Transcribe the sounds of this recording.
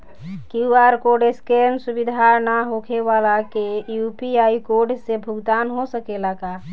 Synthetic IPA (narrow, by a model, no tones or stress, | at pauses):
kiuaɾkoɾɖeskensubid̪ʱaɾnaɦokʰeʋalakejupiaikoɾɖsebʱuɡd̪anɦosəkelaka